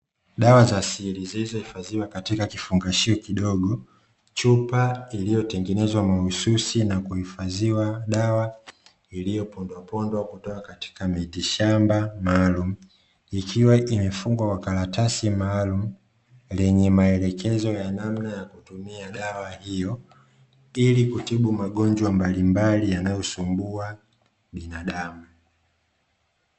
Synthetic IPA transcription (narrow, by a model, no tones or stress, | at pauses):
ɗawazasilizilizɔhifaziwakatikakifuŋɡaʃiɔkiɗɔɡɔ | t͡ʃupailijɔtɛŋɡɛnɛzwamaususinakuhifaziwaɗawa | ilijɔpɔndwapɔndwakutɔkakati̥kamiɗiʃambamaːlum̩ | ikʰiwaʔimɛfuŋɡwakwakalatasimaːlum̩ | lɛɲɛmaɛlɛkʰɛzɔjanamnajakutumiaɗawahijɔ | ilikutiɓumaɠɔɲd͡ʒwambalimbalijanajɔsumbua | ɓinaɗamu